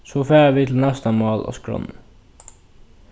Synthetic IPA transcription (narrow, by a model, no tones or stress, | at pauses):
sɔfæːaʋɪt̪ʰɪlnɛst̪amɑːla̰skɹɔ̰nːə